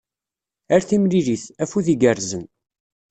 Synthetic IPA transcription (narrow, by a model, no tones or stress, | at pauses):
əɾθimɾiɾiθæfuðiɡəɾzən